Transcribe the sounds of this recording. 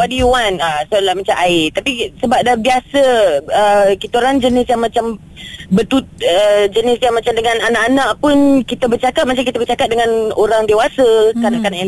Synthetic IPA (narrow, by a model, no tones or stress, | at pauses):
wadiuwanasdəlahmãt͡ʃaʔaɪt̪apisəbap̚dabiasəəkit̪uɾand͡ʒənɪsjaŋmãt͡ʃam | bət̪ut̪̚əd͡ʒənɪsjaŋmat͡ʃamdəŋãnanaʔanaʔpʊnkit̪əbərt͡ʃakat̪̚mat͡ʃamkit̪əbərt͡ʃakat̪̚dəŋãnoɾaŋdewasəkanaʔkanaʔ